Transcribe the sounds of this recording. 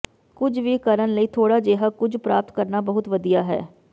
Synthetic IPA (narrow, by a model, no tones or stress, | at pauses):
kʊd͡ʒʋiːkəɾənləiːt̪ʰoːɽaːd͡ʒeːɦaːkʊd͡ʒpɾaːp̚t̪kəɾnaːbəɦʊt̪ʋəd̪ijaːɦɛ̰ː